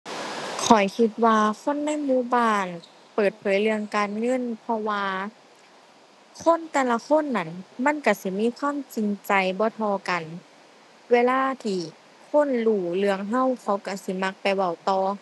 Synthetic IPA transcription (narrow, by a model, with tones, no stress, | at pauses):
kʰɔ˨˩jkʰi˧t̪̚waː˧kʰo˧˥˨nːa˧˥˨jmuː˧˥˨baː˧˥˨n | pɤː˨˩t̪̚pʰɤː˨˩˦jlɯ˧əŋkaː˨nŋɤ˧˥˨npʰɔ˧waː˧ | kʰo˧˥˨nt̪ɛː˧˩˨la˧kʰo˧˥˨nːa˧˩˨nma˧˥˨nka˧˩si˧˦miː˧˥˨kʰwaː˧˥˨mt͡ɕi˨ŋt͡ɕa˨jbɔː˧˦t̪ʰɔː˧ka˨n | weː˧˥laː˧˥˩t̪ʰiː˧˩ | kʰo˧˥˨nluː˧˩lɯ˧əŋɦa˧˥˨wkʰa˧˦wka˧˩si˧˦ma˧˥k̚pa˨jwa˧˩wt̪ɔː˧˩